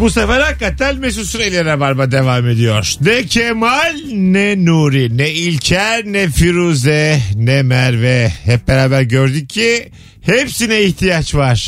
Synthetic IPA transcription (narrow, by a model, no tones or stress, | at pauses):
busafaɾakat̪ʰælʲmes̬usyɾelʲeɾɾɛbaɾbad̪evaːme̞d̪ijoɾ̥nɛcʰemalʲnɛnuːɾinɛilʲcʰæɾnɛfiɾuzɛnɛmæɾvɛhɛp̚beɾaːbæɾɟøɾd̪yc̚ʰːi | hepsinɛiçt̪ʰijat͡ʃvaɾ̥